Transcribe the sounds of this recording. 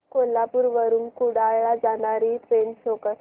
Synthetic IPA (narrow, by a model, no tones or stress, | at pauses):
kolːapuːɾʋəɾuːnkuɽajad͡zanaɾiːt̪ɾensokəɾ